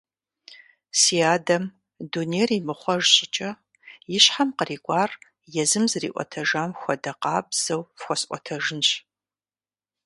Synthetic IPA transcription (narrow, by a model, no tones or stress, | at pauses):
siːaːdɐm | duːneːrimɨχʷɔʒɕʼɪt͡ʃʼɐ | jɪɕħamqəriːkʷʼɑːr | jɛzɨmzɨrḭːʔʷɔ̰tʰɐʒaːmxʷɔdɐqɑːbz̥ɐwfxʷɔsʔʷɔ̰tʰɐʒɪnɕ